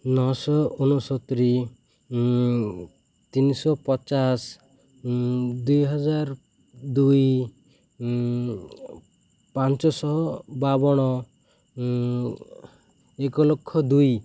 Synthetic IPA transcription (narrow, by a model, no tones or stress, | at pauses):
nɔsɔunusɔt̪ɾi | t̪inisɔpɔt͡ʃas | d̪ujɦɔd͡ʒaɾ | d̪uj | pant͡ʃɔsɔɦɔbabɔɽ̃ɔ | ekɔlɔkʰːɔd̪uj